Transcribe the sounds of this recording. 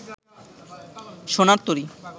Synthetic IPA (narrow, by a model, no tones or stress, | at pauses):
ʃonaɾt̪oɾi